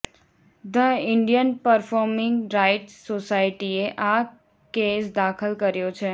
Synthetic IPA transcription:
d̪əɪɳɖijənpəɾfʰɔɾmɪŋɡɾaɪʈsosaiʈieʔa | kesd̪akʰəlkəɾjot͡ʃʰe

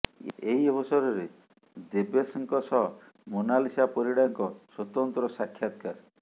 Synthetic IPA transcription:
eɦiɔbɔsɔɾɔɾe | d͡ʒebesɔŋkɔsɔɦɔ | munalisapɔɾiɽaŋkɔswɔt̪ɔnt̪ɾɔsakʰːjat̪kaɾ

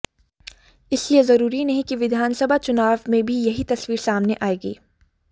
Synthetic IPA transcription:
ɪsliezɐɾuːɾinɐɦĩkiʋɪd̪ʱaːnsɐbʱat͡ʃʊnaːʋmẽbʱijɐɦit̪ɐsʋiːɾsaːmneʔaːeːɡḭː

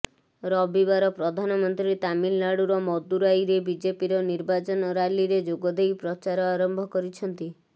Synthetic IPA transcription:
ɾɔbibaɾɔpɾɔd̪ʱanɔmɔnt̪ɾit̪aminːaɽuɾɔmɔd̪uɾajɾebid͡ʒepiɾɔniɾbat͡ʃɔnɔɾaliɾed͡ʒoɡɔd̪ʱejpɾɔt͡ʃaɾɔaɾɔmbʱɔkɔɾit͡ʃʰɔnt̪i

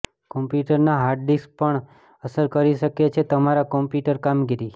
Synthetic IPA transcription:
kɔmpjuʈəɾnaɦaɖɖispəɳ | əsəɾkəɾiʃəket͡ʃʰet̪əmaɾakɔmpjuʈəɾkamɡiɾi

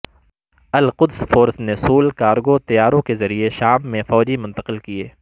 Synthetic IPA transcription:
ɐlqʊd̪sfoːɾsnesuːlkaːɾɡot̪ɐjaːɾõkezɐɾieʃaːmːẽfɔːd͡ʒimʊ̃nt̪əqɪlkieː

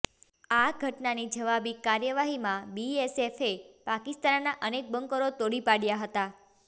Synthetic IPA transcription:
aɡʱəʈnanid͡ʒəʋabikːaɾjəʋaɦimãbiesefepakist̪annaʔənek̚bəŋkəɾot̪oɽipaɽjaɦət̪a

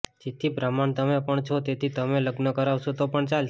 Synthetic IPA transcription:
d͡ʒet̪ʰibɾamant̪əmepəɳt͡ʃʰot̪et̪ʰit̪əmeləɡnəkəɾaʋʃot̪opəɳt͡ʃal

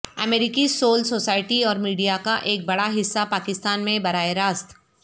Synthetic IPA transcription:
ɐmeːɾɪkisoːlsoːsaːɪʈiɔːɾmiːɖijakaʔeːk̚bɐɽaɦɪsːapaːkɪst̪aːnmẽbɐɾaːeɾaːst̪

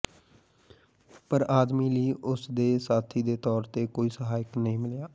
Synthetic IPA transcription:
pəɾaːd̪miːliːʔʊsd̪eːsaːt̪ʰiːd̪eːt̪ɔːɾt̪eːkoːiːsəɦaːɪknəĩːmɪljaː

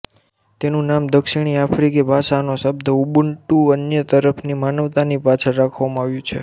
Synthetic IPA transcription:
t̪enũnamd̪əkʃiɽ̃iafɾikibʱaʃanosəb̚d̪ʱəubəɳʈuənjət̪əɾəpʰnimanəʋt̪anipat͡ʃʰeɾakʰʋamãaʋjũt͡ʃʰḛ

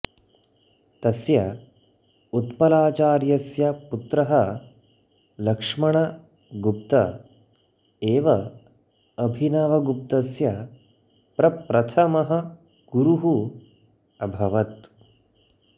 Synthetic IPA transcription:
t̪ɐsjɐ | ut̪pɐlaːt͡ʃaːɾjɐsjɐput̪ɾɐɦɐ | lɐkʂmɐɳɐ | ɡup̚t̪ɐ | eːʋɐ | ɐbʱinɐʋɐɡup̚t̪ɐsjɐ | pɾɐpɾɐt̪ʰɐmɐɦɐ̆ | ɡ̥uɾuɦu | ɐbʱɐʋɐt̪

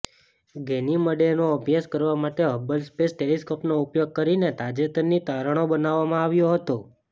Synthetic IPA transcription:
ɡeniməɖenoəbʱjaskəɾʋamaʈeɦəbəlspesʈeliskopnoupjoɡ̚kəɾinet̪ad͡ʒet̪ənnːit̪aɾəɽ̃obənaʋːamãaʋjoɦət̪o

